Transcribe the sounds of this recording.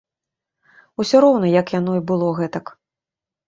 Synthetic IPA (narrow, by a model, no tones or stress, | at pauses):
usʲɔɾɔwnɐjɐkjanɔibɨlˠɔɣɛt̪ɐk